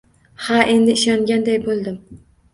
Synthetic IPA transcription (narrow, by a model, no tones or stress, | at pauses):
haʔe̞nd̪ɪɪʃɒŋɡʲand̪ajbolˠd̪ɪm